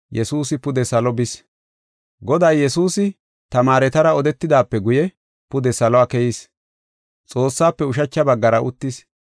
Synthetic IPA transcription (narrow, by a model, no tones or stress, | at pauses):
jɛsuːsɪpʊd̪ɛsɐlɔbɪs | ɡɔd̪aːjjɛsuːsɪ | t̪ɐmaːɾɛt̪ɐɾɐɔd̪ɛt̪ːɪd̪aːpːɛɡʊjɛ | pʊd̪ɛsɐlɔaːkɛjis | t͡sʼo̞ːsːaːpːɛʊʃ̬ɐt͡ʃːɐbɐɡːɐɾɐʔʊ̰t̪ːɪs